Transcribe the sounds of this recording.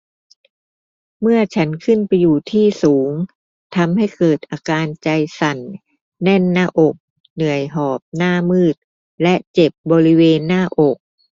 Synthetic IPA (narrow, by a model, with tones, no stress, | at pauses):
mɯ˥˩ɐt͡ɕʰa˦˥nkʰɯ˥˩npa˧jːuː˨˩t̪ʰiː˥˩suː˩˦ŋ | t̪ʰa˧mɦa˥˩jkɤː˨˩t̪̚ʔaː˧kaː˧nt͡ɕa˧jsa˨˩nː | ɛ˥˩nːaː˥˩ʔo˨˩k̚ | nɯ˨˩əjɦɔː˨˩p̚naː˥˩mɯː˥˩t̪̚ | lɛ˦˥ʔt͡ɕe˨˩p̚bɔː˧ɾi˦˥weː˧nːaː˥˩ʔo˨˩k̚